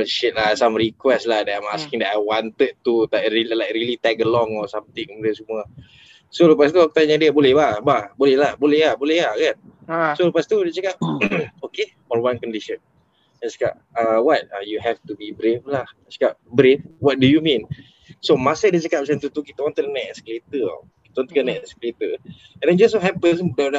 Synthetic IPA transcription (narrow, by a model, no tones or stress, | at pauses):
ʃɪt̪̚lahsamɹikwɛslahdɛtamaskĩŋdɛtajwant̪əd̪̚t̪ut̪aɾilajkɾilit̪ɛkəlɔŋɔsamt̪ɪ̃ŋkəmudiansəmuə | soləpast̪uakut̪aɲadiəbolɛhbababolɛhlahbolɛhlabolɛhakansoləpast̪udiət͡ʃakap̚oke | ɔnwankɔndiʃə̃n | ɛ̃t͡ʃḁka̰p̚ | awɔt̪̚ajuɦɛft̪ubibɾeflah | t͡ʃḁkap̚bɾefwɔt̚dujumĩn | somasadit͡ʃakap̚bsɛ̃nt̪ut̪ukit̪aɔ̃nt̪əkənaʔɛsklet̪ə̰ | kit̪aɔnt̪əkənaʔɛsklet̪ə | ɛ̃nãd͡ʒasɦɛpəsdada